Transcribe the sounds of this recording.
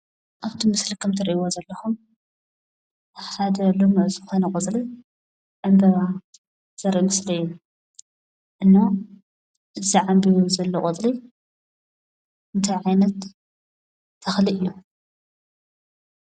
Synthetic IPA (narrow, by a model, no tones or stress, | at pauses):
ʔaβt̪ʰimɨslikʰɐmt̪ʰɐɾʔiwozɐlːɐxum | ħad̪ɐlomuzɨxonɐkʼɨt͡sʼli | ʕɨmbɐβa | z̥ɐɾʔimɨsliɨjːu | ʔɨnːa | ʔɨziʕambijuzɐlːɐkʼɨt͡sʼli | ʔɨnt̪ʰajʕajnɐt̪ | ɐxliɨjːu